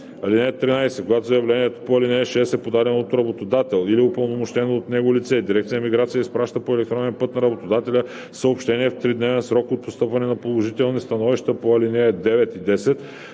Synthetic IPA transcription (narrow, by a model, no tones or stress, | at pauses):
ɐlinɛɛt̪ːɾinajsɛkoɡat̪ozjɐvlɛniɛt̪o̥poɐlinɛɛʃɛsɛpod̪ad̪ɛnot̪ɾɐbot̪od̪at̪ɛlˠiliopəlˠnomoʃt̪ɛnoːt̪nɛɡolit̪sɛd̪iɾɛkt̪ijəmiɡɾat̪sijəispɾaʃt̪əpoɛlɛk̚t̪ɾɔnɛnpɤt̪nɐɾɐbot̪od̪at̪ɛlʲə | səopʃt̪ɛniɛft̪ɾid̪nɛvɛnsɾɔkot̪̚post̪ɤpvɐnɛnɐpolˠoʒit̪ɛlˠnist̪ɐnɔviʃt̪əpoɐlinɛɛd̪ɛvɛt̪id̪ɛsɛt̪